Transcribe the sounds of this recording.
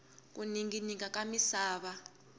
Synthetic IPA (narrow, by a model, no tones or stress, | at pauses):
k̬ʼuniŋɡinikak̬ʼamisaːβa